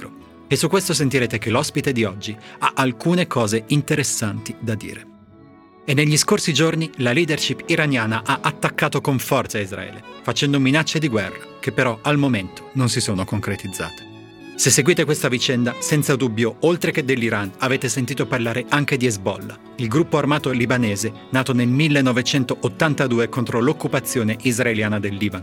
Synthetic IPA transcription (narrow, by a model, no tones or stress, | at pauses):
ɾo | esːukːwest̪os̬ent̪iɾeːt̪ek̟elɔspit̪ed̪iɔd͡ʒːiaʔalkuːnekʰɔːzeint̪eɾesːant̪id̪ad̪ḭːɾe | enːeʎːiskorsid͡ʒornilaliːd̪erʃipiɾanjaːnaʔaʔat̪ːakːaːt̪okoɱfɔrt̪saizɾa̰ɛ̰ːlḛfat͡ʃɛnd̪ominat͡ʃːed̪iɡwɛ̰rːakepːeɾɔalmoment̪o̥nonsisoːnokoŋkɾet̪id̪zːa̰ːt̪e̥ | sesːeɡwiːt̪ekwest̪avit͡ʃɛnd̪asɛnt̪sad̪ubːjoolt̪ɾeked̪ːelːiɾanaveːt̪esent̪iːt̪oparlaːɾeʔaŋk̟ed̪iezbɔ̰lːa | ilɡɾupːoarmaːt̪olibaneːze | naːt̪onelmilːenːɔvet͡ʃɛnt̪oʔot̪ːant̪ad̪uːekont̪ɾolokːupat̪sːjoːneʔizraeljaːnad̪elːiːban